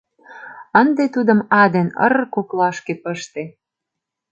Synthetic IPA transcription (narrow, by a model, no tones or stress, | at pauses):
ənd̪et̪ud̪ə̆mɑd̪enə̰rkoklɑʃkepəʃt̪e